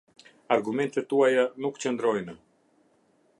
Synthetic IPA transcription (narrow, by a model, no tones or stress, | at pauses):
aɾɡumɛnt̪ɛt̪ːuajanukt͡ɕənd̪ɾɔjnə